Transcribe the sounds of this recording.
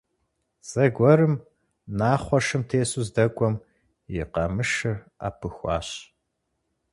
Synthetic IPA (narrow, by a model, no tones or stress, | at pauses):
z̥ɐɡʷɔɾɨm | naːχʷɔʂɨmtʰeːsuzdɐkʷʼɔm | jɪqɐmɨʂɨr | a̰ːpʰɨxʷɑ̰ːɕ